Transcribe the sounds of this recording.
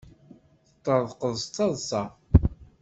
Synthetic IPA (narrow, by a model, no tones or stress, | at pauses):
θət̪ˤːəðˤqəðˤst̪ːɑðˤsɑ